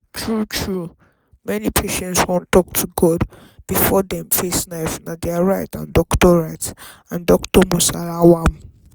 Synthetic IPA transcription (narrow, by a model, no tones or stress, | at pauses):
tʰɹutʰɹu | mɛnipʰeʃɛ̃ntswɔ̃ntɔk̚tʰuɡɔd | b̥ifɔdɛ̃mfesnaɪfnadeaɹaɪtã̰ndɔktɔɹaɪt | ãndɔktɔmusalawam